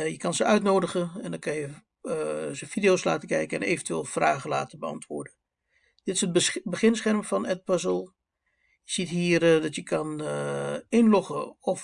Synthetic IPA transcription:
jəkɑnzəœɥtnoːdəχəɛndɑnkɑnjə | zəfidijoːsla̰ːtəkɛjkəɛnḛːvəntyʋeːlˠfraːχəla̰ːtəbəɑ̰ntʋʊːɹdə | d̥ɪtɪ̥səd̚bəχɪnsχɛrmfɑnɛt̚pəzəlˠ | jəz̥itɦiːərdɑtjəkʰɑn | ɪnlɔχəɔf

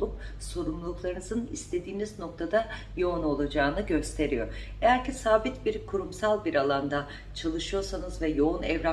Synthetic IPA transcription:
up̚so̞ɾumllˠuklˠaɾɯnɯzɯnḭst̪ʰe̞d̪iːnizno̞k̚t̪ʰad̪a | jo̞uno̞lˠad͡ʒaːnɯɟø̞st̪ʰe̞ɾijo̞ejæɾcʰɛsaːbit̪biɾkʰuɾumsalˠbiɾalˠand̪a | t͡ʃʰalˠɯʃɯjo̞ɾsanɯzvɛjo̞unɛvɾa

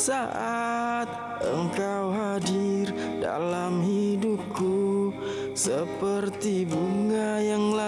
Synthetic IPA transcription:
saʔat̪̚ | ʔə̰ŋkawɦadir | da̰lamɦidup̚ku | səpərt̪ibuŋajaŋla

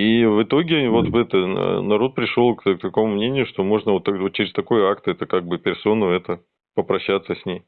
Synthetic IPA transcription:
ivɨt̪o̞ɡʲɪvo̞t̪vɛt̪ə̰nɐɾo̞t̪̚pɾʲɪʂolˠkk̚t̪ɐko̞mʊmnʲenʲɪjʊʂt̪o̞mo̞ʐnəvot̪ːɐvot͡ɕɪɾʲɪst̪ɐko̞jakt̪ɛt̪əkaɡ̚bɨpʲɪrso̞nʊɛt̪ə | pəpɾɐɕːat̪səsʲnʲej

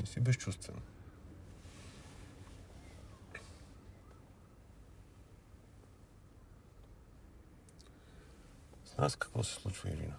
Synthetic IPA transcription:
isibɛst͡ʃʰust̪vɛ̰n | sna̰skḁkvɔ̰sɛ̥slˠut͡ʃvḭḭɾḭna

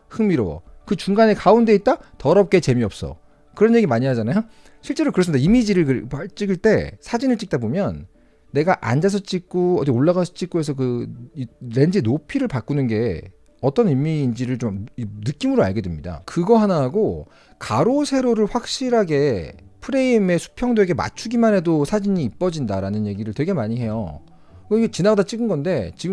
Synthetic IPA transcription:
hɯŋmiɾowʌ̰ | kɯt͡ɕuŋɡane̞kaunde̞it̚t͈atʌɾʌp̚k͈e̞t͡ɕe̞miʌp̚s͈ʌ̰ | kɯɾʌnɲje̞ɡimaɲiɦad͡ʑanajo | ɕʰiɭt͡ɕ͈e̞ɾokɯɾsɯmidaimid͡ʑiɾɯɭkɾpat͡ɕ͈iɡiɭt͈e̞sʰad͡ʑinɯɭt͡ɕ͈ik̚t͈abomjʌnː | e̞ɡaʔa̰nd͡ʑas̬ʰʌt͡ɕ͈ik̚k͈uʌdioɭːaɣasʰʌt͡ɕ͈ik͈oɦe̞sʰʌk̬ɯ | ɾe̞nd͡ʑinopʰiɾɯɭpak͈unɯnɡe̞ | ʌt͈ʌnimːiːnd͡ʑiɾɯɭt͡ɕomnɯk͈imɯɾoaɭɡe̞demɲida̰kɯɡʌɦanaɦaɡo | kaɾosʰe̞ɾoɾɯɭɸwak̚ɕ͈iɾɦaɡe̞pʰɯɾe̞ime̞sʰu̥pʰjʌŋdwe̞ɡe̞ma̰t͡ɕʰuɡimanɦe̞dosʰad͡ʑiɲiːp͈ʌd͡ʑindaɾanɯnje̞ɡiɾɯɭtweɡe̞maɲiɦe̞jo̰ | kʌiɡet͡ɕinaɡadat͡ɕ͈iɡɯnɡʌnde̞t͡ɕiɡɯ

